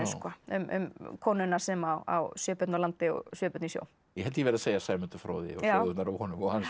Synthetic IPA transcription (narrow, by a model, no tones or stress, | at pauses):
skɔʏ̰mʏ̰mkʰɔːnʏnḁsɛmawa̰wsjœːpʏt̪nalant̪ɪɔ̰ɣsjœːpʏt̪nisjo̰w | jɛɦɛlt̪jɛːɾɪðaseːjasaːjmʏnt̪ʏfɾo̰ːðɪ̰ɔjoðt̪naɾawhɔnʏmɔɣhan